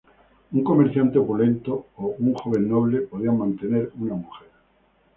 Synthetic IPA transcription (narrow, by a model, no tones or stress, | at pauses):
uŋko̞me̞ɾθjant̪eopulẽ̞nt̪oːuŋxo̞β̞e̞nːo̞β̞le̞po̞ðiaŋmãnt̪e̞ne̞ɾunamuxe̞ɾ